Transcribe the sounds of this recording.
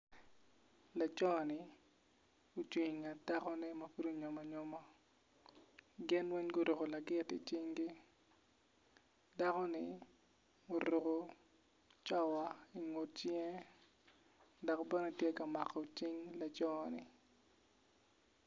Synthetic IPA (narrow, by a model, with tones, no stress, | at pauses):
la˨t͡ʃɔ˦˨nɪ˨ | u˦t͡ʃwi˨ŋa˨ta˦kɔ˦nɛ˦mɐ˨fu˦ɾu˦ɲɔ˨ma˨ɲɔ˦ma˦ | ɡɪ˦nwɛ˦ɲɡʊ˦ɾo˨ko˨la˨ɡɪ˦tɪ̰˨t͡ʃɪ˦ŋɡɪ˦ | da˦kɔ˦nɪ˦ | o˨ɾu˨ko˨ | t͡ʃɔ˦wa˨i˨ŋo˨t͡ʃjɛ˦ | dɔ˨kbɛ˦nɔ˦tje˦ka˨ma˨kɔ˨t͡ʃɪ˦ŋla˨t͡ʃɔ˦˨nɪ̰˨